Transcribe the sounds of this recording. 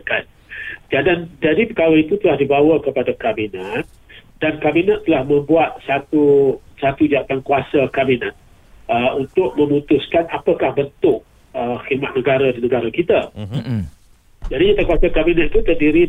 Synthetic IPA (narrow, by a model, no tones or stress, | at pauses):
kan | d͡ʒadand͡ʒadipəkaɾait̪ut̪əlahdibawakəpadakabinat̪̚ | dankabinat̪ːəlahmə̃mbuat̪̚sat̪usat̪ud͡ʒat̪aŋkuasakabinat̪̚ | əunt̪ʊk̚mə̃mut̪ʊskanapakahbənt̪ʊk̚ | əxirmat̪̚nəɡaɾadinəɡaɾakit̪a | d͡ʒadid͡ʒat̪aŋkuasakabinat̪̚it̪ut̪ərdiɾi